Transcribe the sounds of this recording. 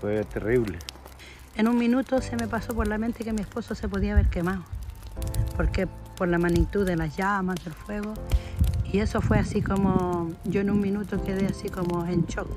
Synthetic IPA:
fwet̪eriβle | enuŋmĩnut̪ose̞mepaso̞po̞ɾlament̪ekemie̞spo̞sose̞p̬o̞ðiaβe̞ɾke̞mao | po̞ɾke̞po̞ɾlamanit̪uðelasʝamazðelfwe̞ɣo | ie̞so̞fweasikomoɟ͡ʝo̞enuŋmĩnut̪okeðeasiko̞moent͡ʃok

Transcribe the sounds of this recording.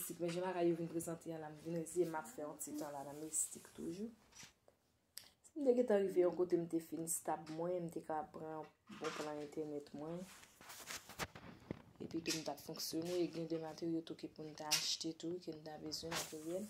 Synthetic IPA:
tikmɛ̃ʒãlakajːovinpʁezɑ̃t̪ʰeãlamvineziemapfɛɔ̃tit̪ãlanãmeistikt̪ṵʒu | sim̩t̪eɡɛ̃t̪ãʁivejɔ̃kot̪em̩t̪efinst̪apmwɛ̃m̩t̪ekapabpʁãbɔ̃plãɛ̃t̪ʰɛʁnɛt̪mwɛ̃ | ḛpɥitum̩t̪apfɔ̃ksjoneeɡɛ̃d̪ɛmat̪eʁijot̪ukepun̩t̪aːʃt̪et̪ukenut̪abezwɛ̃mat̪eʁjɛl

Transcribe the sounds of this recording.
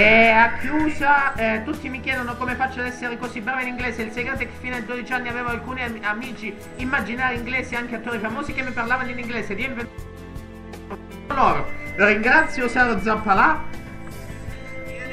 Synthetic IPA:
ɛakːjuːsat̪ut̪ːimikjɛːd̪onokoːmefat͡ʃːad̪ɛsːeɾekosibɾaːveiniŋɡleːseilseɡɾet̪eke̥fːiːnad̪ed̪od̪it͡ʃianːiaveːvoalkuːniamiːt͡ʃiː | mːad͡ʒinaːɾeiŋɡleːsieaŋkeat̪ːoːɾifamoːsikemːiparlaːvaniniŋɡleːsed̪iɛmven | lɔːɾoɾiŋɡɾat̪sːjosaɾod̪zampːala

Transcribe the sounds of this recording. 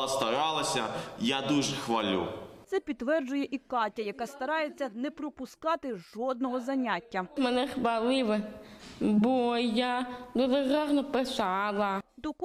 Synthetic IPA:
ɐst̪ɐɾɑlˠɐsʲɐjad̪uʒɛxʋɐlʲṵt̪sɛpʲid̪ːʋɛrd͡ʒʊjɛʔikɑtʲɐjɐkɑst̪ɐɾɑjet͡sʲːɐnɛpɾɔpʊskɑt̪ɪʒɔd̪̚nɔɦɔzɐnʲatʲːɐmɛnɛxʋɐlˠɪʋɛ | bɔjad̪ɔʐeɣɑɦnɔpɪsɑlˠɐd̪ɔk

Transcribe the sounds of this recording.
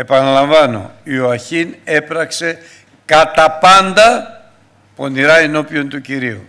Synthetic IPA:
e̞pɐnɐlɐɱvɐno̞̰ioɐçine̞pɾɐkse̞ | kɐt̪ɐpɐnd̪ɐ | po̞niɾɐeno̞pio̞nt̪uciɾiu

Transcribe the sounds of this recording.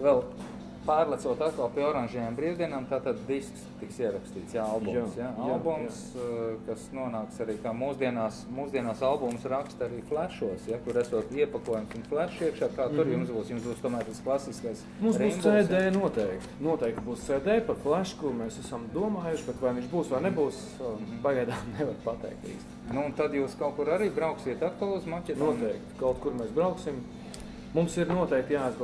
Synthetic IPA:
ʋɛlˠ | pɑːɾlˠɛt̪suɔt̪at̪̚kalˠpiːɔɾanʲʒɛːjambɾiːwd̪iɛnaːmt̪aːt̪ad̪d̪iskst̪iksiɛɾakst̪iːt̪sjaalˠbumsjaalˠbumskasnuɔnaːksaɾiːkaːmuːsd̪iɛnaːsmuːzd̪iɛnaːsalˠbumsɾakst̪aɾiːflˠæʃuɔsjakuɾæsuɔt̪iɛpakuɔjumsunflˠæʃiɛkʃaːkaːtt̪uɾjumsbuːsjumsbuːst̪ɔmæːɾt̪asklˠasiskajs | mumsbuːsɛdd̪ɛːjnuɔt̪ɛɪk̚t̪nuɔt̪ɛjk̚t̪buːssɛːd̪ɛːjpaflˠæʃkuɾmɛːsæsamd̪uɔmaːjuʃbɛt̪ʋajʋĩɲʲt͡ʃbuːsʋaɾnɛbuːs | paɡajd̪aːmnɛʋaɾpat̪ɛ̰ɪk̚t̪ḭːsnunt̪ad̪juːskaʊtkuɾaɾiːbɾaʊksiɛt̪ak̚t̪ualˠusmacʲɛnuɔt̪ɛjkt̪kaʊt̪̚kuɾmɛsbɾaʊksim | mumsiɾnuɔt̪ɛjk̚t̪jaːiz

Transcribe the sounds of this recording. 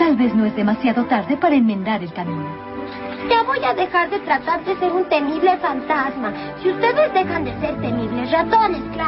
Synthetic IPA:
t̪alβe̞sno̞ezðe̞masjaðo̞t̪aɾðe̞paɾaenmẽnd̪aɾe̞lkamĩno | d͡ʒaβojaðe̞xaɾðe̞t̪ɾat̪aɾðe̞se̞ɾunt̪e̞miβle̞fant̪azma | siust̪e̞ðezd̪e̞xand̪e̞seɾt̪emiβle̞srat̪o̞neska

